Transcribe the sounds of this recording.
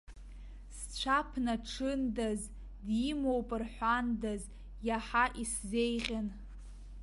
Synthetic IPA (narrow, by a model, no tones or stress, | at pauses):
s | t͡ɕʷʰapʰnaʈ͡ʂʰɨndaz | dimowpʼɨrħʷandaz | jaħaʔiszejʁʲan